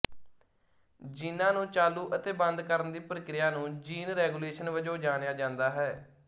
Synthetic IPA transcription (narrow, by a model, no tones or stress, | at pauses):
d͡ʒɪnːãːnũːt͡ʃaːluːʔət̪eːbə̃nd̪kəɾənd̪iːpɾəkɾɪjaːnũːd͡ʒiːnɾɛːɡuːleːʃənʋəd͡ʒoːd͡ʒaːnejaːd͡ʒãːnd̪aːɦɛː